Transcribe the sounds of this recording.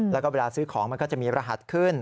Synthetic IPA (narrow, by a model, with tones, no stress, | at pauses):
lɛ˦˥kɔː˥˩we˧laː˧sɯː˦˥kʰɔː˩˦ŋm˧nkɔː˥˩t͡ɕa˨˩miː˧pɾa˧ɦa˨˩t̪̚kʰɯ˥˩n